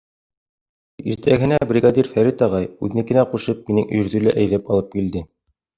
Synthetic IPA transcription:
iɾt̪ʰæɡɘ̆næbrʲiɡɑd̪ʲiɾfæɾit̪ɑʁɑjʉðɘ̆nɘkɘ̆næquʃɤp̚minɘŋɵ̆j̆ɾðɵlæʔæjðæpɑlˠɤp̚kild̪ɘ

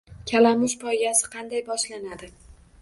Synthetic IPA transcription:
kʲʰalamʊʃpʰɒjɡʲasɪ̥qʰɑnd̪ajbɒʃlanad̪ɪ

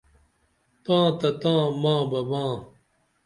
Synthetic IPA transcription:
t̪ãːt̪ɐt̪ãːmãːbɐbãː

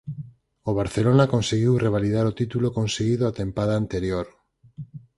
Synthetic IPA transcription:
oβ̞aɾθelonakonseɣiwreβ̞aliðaɾot̪it̪ulokõnseɣiðoat̪ẽmpaðaːnt̪eɾjoɾ

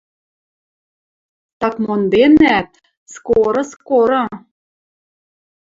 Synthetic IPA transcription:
t̪ɑkmond̪enæt̪̚ | skoɾɤ̆skoɾɤ̆

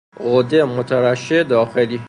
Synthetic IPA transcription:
ʔod̪emot̪ʰæɾæʃed̪ɒːxeli

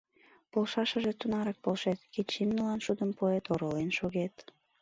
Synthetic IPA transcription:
polʃɑʃəʒet̪unɑɾɑk̚polʃet̪ket͡ɕimnulɑnʃud̪əmpoet̪oɾolenʃoɣet̪

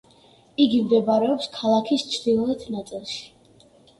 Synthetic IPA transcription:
iɡimd̪ɛbaɾɛɔpskʰalˠakʰist͡ʃʰd̪iɛt̪ʰnat̪sʼilˠʃi̥

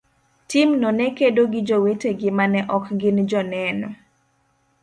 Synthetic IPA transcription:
timnɔnɛkedoɡɪd͡ʒoweteɡɪmanɛʔɔkɡɪnd͡ʒɔnɛnɔ

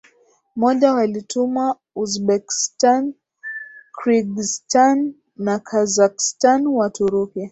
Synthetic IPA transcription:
mɔʄawalitumwa | uzɓɛki̥stan | kɾiɡistanː | akʰazakstanwatuɾukia

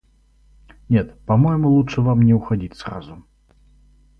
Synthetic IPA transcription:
nʲɛt̪pamɔjmulˠutʂɨvamnʲɛwxad͡zʲit͡sʲsra̰zu

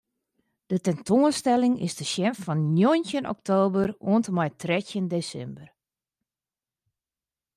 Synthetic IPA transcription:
d̥ətɛntʰoənstɛlɪŋɪ̰sdəʃjɛmffɔnnjojntjənɔ̰k̚tʰoːbəroəntəmɛjtrɛtjəndesɛ̰mbər

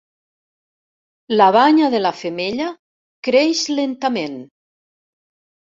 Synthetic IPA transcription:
laβaɲaðelafemeʎa | kɾeʃlent̪amen

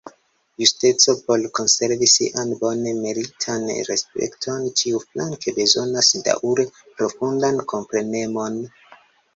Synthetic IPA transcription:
juste̞t͡so̞po̞lko̞nse̞ɾvisḭʔanbo̞nemeɾitʰanɾḛspe̞̰ktʰo̞ntiuflankʰebe̞zo̞nasda̰ʔuɾe | pɾo̞fundankʰo̞mpɾe̞ne̞mo̞n

